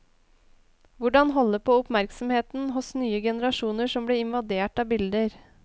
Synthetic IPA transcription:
ʋʊɖɑnɦɔlːəpʰoːʊpmæɾksɔmheːt̪n̩ɦʊsnyːəɡɛnəɾɑʂuːnəʂɔmbleːɪnʋɑd̪eːʈɑːbɪld̪əɾ

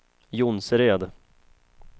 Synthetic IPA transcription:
jʊnsɾeːd̪

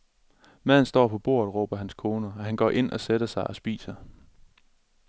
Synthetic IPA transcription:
mæð̰ˠn̩sd̥ɒ̰ːpʰɒ̽b̥o̝̰ːɐ̰ð̩ˠʁɔ̰ːb̥ɐɦænskʰo̝ːnɐɒɦænɡ̥ɒ̰ːʔe̝n̰ʔɒ̽sed̥ɐsɑ̈ɪʔɒ̽sb̥ḭːsɐ

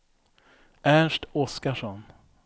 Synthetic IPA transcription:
ʔæɳʂʈɔskaʂɔn

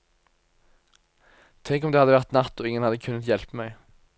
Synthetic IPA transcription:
t̪ʰɛŋkɔmd̪eːhɑd̪əʋæʁt̪nɑt̪ːoːɪŋːənhɑd̪əkʰʉnːət̪jɛlpəmæɪ

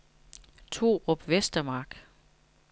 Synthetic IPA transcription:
t͡sʰo̝̰ːɒ̽b̥ʋesd̥ɐmɑ̈ːɡ̥

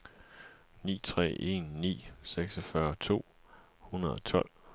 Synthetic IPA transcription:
nḭːt͡sʰʁɛ̰ːe̝nːḭːseɡ̥sɒfɶːɐt͡sʰo̝̰ː | hunɐðˠɒ̽t͡sʰɒ̽l̰

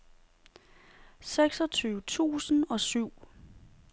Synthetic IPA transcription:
seɡ̥sɒt͡sʰyːʊət͡sʰṵːsn̩ɒ̽syʊ̰

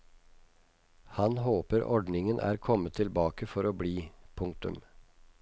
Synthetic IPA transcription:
hɑnhoːpəɾʔɔɖnɪŋənʔæ̰ːɾkʰɔmət̪ʰːɪlbɑːkəfɔɾoːbɽiːpʰʊŋ̚t̪ʉ̰m

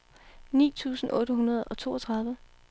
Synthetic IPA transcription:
nḭːt͡sʰṵːsn̩ʔɔ̽ːɾəɦunɐð̞̩ˠɒ̽t͡sʰo̝̰ːɒt͡sʰʁɑ̈ð̞ˠʋə

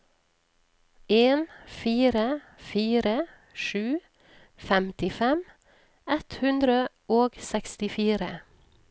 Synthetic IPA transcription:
eːnfiːɾə | fiːɾə | ʃʉː | fɛmt̪ɪfɛm | ɛt̪hʉnd̪ɾə | oːɡsɛkst̪ɪfiːɾə̰

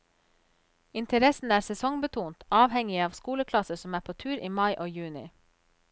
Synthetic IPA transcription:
ɪnt̪ʰəɾɛsn̩æːɾsɛsɔŋbət̪ʰuːnt̪ɑːʋhɛŋɪəɑːʋskuːləkʰlɑsəsɔmæːpʰoːt̪ʰʉːɾiːmɑɪʔoːjʉːnɪ̰

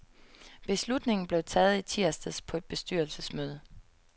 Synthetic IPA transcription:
b̥e̝slud̥ne̝ŋn̩b̥leʊt͡sʰɛːð̞̩ˠit͡sʰiɐ̰sd̥əspʰɒ̽e̝d̥̚b̥e̝sd̥yɐlsəsmøːð̞ˠə

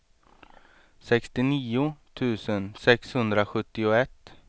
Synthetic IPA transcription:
sɛkst̪ɪniːʊt̪ʰʉ̟ːsənsɛkshɵnd̪ɾaɧɵt̪ːɪʊɛt̪ː

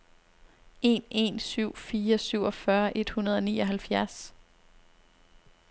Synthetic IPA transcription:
e̝̰ne̝̰nsyʊ̰fiːɐsyʊ̰ɒ̽fɶɐʔe̝d̥hunɐð̞ˠɒ̽niːɒ̽ɦælfjæɐs

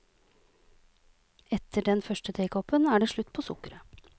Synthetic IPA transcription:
ɛt̪ʰəɖɛnfœʃʈət̪ʰeɪkʰɔpənæːɖeːʂɭʉt̪ːpʰoːsʊ̰kəɾə

